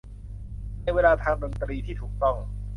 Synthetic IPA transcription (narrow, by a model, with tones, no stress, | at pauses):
na˧jweː˧laː˧t̪ʰaː˧ŋdo˧nt̪ɾiː˧t̪ʰiː˥˩t̪ʰuː˨˩k̚t̪ɔ˥˩ŋ